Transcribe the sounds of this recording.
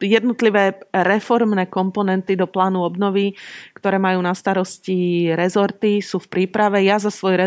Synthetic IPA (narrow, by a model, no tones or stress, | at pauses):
jɛd̪̚nɔt̪liʋɛːɾɛfɔɾmnɛːkɔmpɔnɛnt̪id̪ɔplaːnuɔbnɔʋikt̪ɔɾɛːmajuːnast̪aɾɔsciɾɛzɔɾt̪isuːfpɾiːpɾaʋɛjazasʋɔjɾɛ